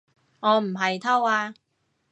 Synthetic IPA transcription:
ŋɔː˨˧m̩˨˩ɦɐ˨jt̪ʰɐ˥waː˧

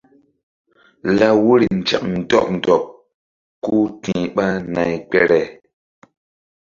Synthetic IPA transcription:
la˦wu˦ɾi˨n̩˨t͡ʃɛ̰˨k̚n̩˨dɔ̰˦˨k̚n̩˨dɔ˨p̚ | ku˦tĩ˨ɓa˦na˨jk͡pɛ˦ɾɛ˨

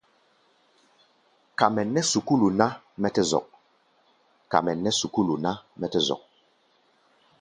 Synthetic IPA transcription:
ka˨mɛ˨nɛ˦su˨ku˦lu˨na˦ | mɛ˦tɛ˦zɔ̰˨k̚ | ka̰˨mɛ˨nɛ˦su˨ku˦lu˨na˦mɛ˦tɛ˦zɔ̰˨k̚

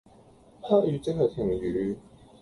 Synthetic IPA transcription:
pʰaː˥jyː˨˧˥t͡sɪ˥hɐ˨jt̪ʰɪ˨˩ŋjyː˨˦

